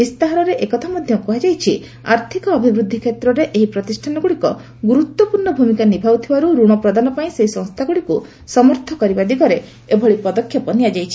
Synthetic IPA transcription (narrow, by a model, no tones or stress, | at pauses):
bist̪aɦaɾɔɾeʔekɔt̪ʰamɔd̪ʱjɔkɔɦad͡ʒajt͡ʃʰi | a̰ɾt̪ʰikɔːbʱibɾud̪ʱːikʰet̪ɾɔɾeʔeɦipɾɔt̪isʈʰanɔɡuɽikɔ | ɡuɾut̪wɔpuɾɳɔbʱumikanibʱaut̪ʰibaɾuɾuɽ̃ɔpɾɔd̪anɔpaĩseɦisɔ̃ŋst̪ʰaɡuɽiku | sɔmɔɾt̪ʰɔkɔɾibad̪ikɔɾe | ebʱɔɭipɔd̪ɔkʰːjɔpɔnijad͡ʒajt͡ʃʰi